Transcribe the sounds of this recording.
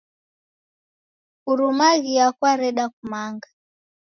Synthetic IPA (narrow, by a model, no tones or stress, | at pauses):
uɾumaɣiakwaɾɛɗakumaŋɡa